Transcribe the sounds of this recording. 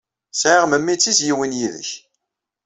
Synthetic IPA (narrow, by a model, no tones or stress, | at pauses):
sʕiʁməmːit͡sːisjiwinjiðə̰ç